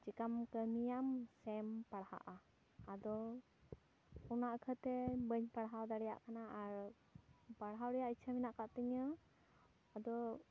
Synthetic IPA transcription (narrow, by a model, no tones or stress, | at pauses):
t͡ʃikamkəmijamsɛmpaɽha̰ʔa | ad̪ɔ | unaʔkʰət̪ɛbəɲpaɽɦawd̪aɽɛja̰ʔkanaʔaɾ | paɽɦawɾɛjaʔit͡ʃʰəminaʔkaʔt̪əɲə | ad̪ɔ